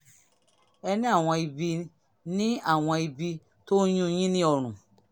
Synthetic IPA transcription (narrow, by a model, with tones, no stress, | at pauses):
ɛ˧nĩ˦a˦˨w̃ɔ̃˧i˧bi˧ | nĩ˦a˦˨w̃ɔ̃˧i˧bi˧ | to˦jũ˦j̃ĩ˦nĩ˦ɔ˧˨ɾ̃ũ˨